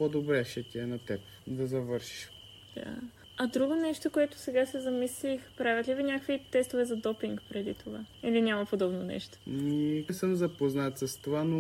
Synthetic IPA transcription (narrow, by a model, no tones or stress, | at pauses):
pɔd̪obɾɛʃɛt̪iɛnɐt̪ɛp | d̪ɐzɐvɤɾʃi̥ʃ | d̪̥a̰ | ɐd̪ɾuɡonɛʃt̪okoɛt̪o̥sɛɡasɛzɐmislixpɾavʲɛt̪lʲivinʲakəkvit̪ɛst̪ovɛzɐd̪ɔpiŋkpɾɛd̪it̪ʰovailinʲamɐpod̪ɔbnonɛ̰ʃt̪o̥nisəmzɐpoznat̪sɐst̪ovano